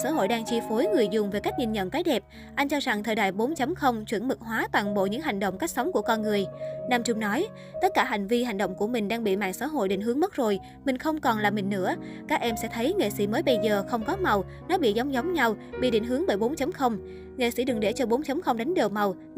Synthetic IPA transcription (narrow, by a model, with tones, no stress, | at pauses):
saː˧˥ɦo̰˧˨jɗaː˧ŋt͡ɕi˧fo˨˦jŋɨ˨˩əjzʊ˨˩ŋ͡mve˨˩ka˦˥k̚ɲi˧˩nɲə̰˧˨nkaː˨˦jɗɛ˨˩p̚ | ʔa˧jŋ̟t͡ɕɔ˧za˨˩ŋt̪ʰəː˨˩jɗa̰ː˧˨jɓo˨˦nt͡ɕə˨˦mŋ͡mxə˧wŋ͡mt͡ɕwi˧˩ənmɨ˨˩k̚ɦwaː˨˦t̪waː˧˩nɓo̰˧˨ɲɨ̰˧˥ŋɦa˨˩jŋ̟ɗo̰˧˨wŋ͡mka˦˥k̚sa˨˦wŋ͡mku˧˩əkɔ˧nŋɨ˨˩əjnaː˧mt͡ɕʊ˧ŋ͡mnɔ˨˦j | t̪ə˦˥t̚kaː˧˩ɦa˨˩jŋ̟vi˧ha˨˩ŋɗo̰˧˨wŋ͡mku˧˩əmï˨˩ŋ̟ɗaː˧ŋɓḭ˧˨ma̰ː˧˨ŋsa̰ː˧˥ɦo̰˧˨jɗḭ˧˨ŋ̟hɨ˨˦əŋmə˦˥t̚zo˨˩j | mï˨˩ŋ̟xə˧wŋ͡mkɔ˨˩nlaː˨˩mï˨˩ŋ̟nɨ̰˧˥ə | kaː˦˥k̚ʔɛ˧msɛ̰˧˥t̪ʰə˨˦jŋḛ˧˨sḭ˧˥məː˨˦jɓə˧jzəː˨˩xə˧wŋ͡mkɔ˨˦ma˨˩w | nɔ˨˦ɓḭ˧˨za˨˦wŋ͡mzə˨˦wŋ͡mɲa˧wɓḭ˧˨˩ɗḭ˧˩ŋ̟ɦɨ˨˦əŋɓəː˧˩jɓo˨˦nt͡ɕə˨˦ŋ͡mxə˧wŋ͡m | ŋḛ˧˨sḭ˧˩ɗɨ˨˩ŋ̚ɗe˧˩t͡ɕɔ˧ɓo˨˦nt͡ɕə˨˦ŋ͡mxə˧wŋ͡mɗa˨˦jŋ̟ɗə˨˩wma˨˩w